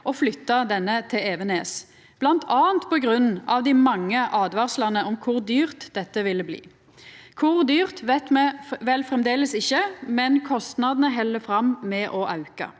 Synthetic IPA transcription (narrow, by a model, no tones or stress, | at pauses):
ʔɔflʏt̪ːɑd̪ɛnːət̪ʰɪleːʋəneːs | b̥lɑnt̪ʰɑːənt̪pʰɔɡʁʉnːɑʋd̪ɪmɑŋːəʔɑːd̪ʋɑʁslɑnəʔɔmkʰʊʁd̪yːʁt̪d̪ɛt̪ːəʋɪlːəblḭː | kʰʊʁd̪yːʁt̪ʋɛt̪mɛʋɛlfʁɛmd̪eːləsɪçːəmɛnkʰɔst̪nɑd̪nəɦɛlːəfɾɑmmɛʔɔʔɑʉkɑ̰